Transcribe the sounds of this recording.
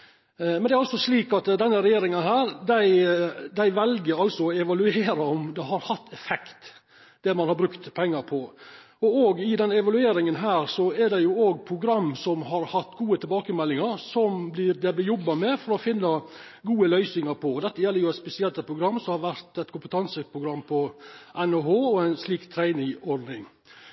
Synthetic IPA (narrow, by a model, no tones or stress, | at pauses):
mɛnd̪ɛæɾɑlsɔʂliːkɑt̪d̪ɛnːəɾɛjeːɾɪŋənɦæːɾd̪æɪd̪æɪʋɛlɡəɾɑlsɔɔɛʋɑlʉeːɾɑɔmd̪ɛɦɑɾhɑt̪ːɛfɛkt̪ | d̪̥ɛɾmɑnhɑɾbɾʉkt̪pʰɛŋːɑɾpʰɔ | ɔoːɡɪd̪ɛnːəɛʋɑlʉeːɾɪŋənɦæːɾsɔɛɾd̪ɛjʊoːɡpʰɾʊɡɾɑmːsɔmɦɑɾhɑt̪ːɡuːət̪ʰɪbɑːkəmɛlːɪŋɑɾsɔmblɪɾd̪ɛblɪɾjɔbːɑmɛfɔɾɔfɪnːɑ | ɡuːəlœʏsnɪŋɑɾpʰɔd̪ɛt̪ːəjɛlːəɾjʊæɪt̪spɛsɪɛlt̪ːət̪pʰɾʊɡɾɑmːsɔmhɑɾʋæɾt̪ɛt̪kʰʊmpət̪ʰɑnsəpʰɾʊɡɾɑmːpʰɔʔɛnoːhoːɔæɪnsliːkt̪ʰɾæɪnɪŋɔɾd̪nɪŋ